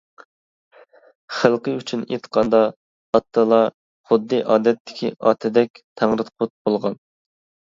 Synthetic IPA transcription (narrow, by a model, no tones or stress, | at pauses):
χəlˠqəyt͡ʃʰynḛt̪qʰɑnd̪ɑ | ɑt̪ʰːɨlˠɑ | χʊd̪ːɨʔɑːd̪ɛt̪ʰːɪ̥kʲʰiʔɑ̰ːt̪ʰɪd̪ɛk̚ʲt̪ʰæŋɾɨt̪qʰʊt̪̚bolˠʁɑn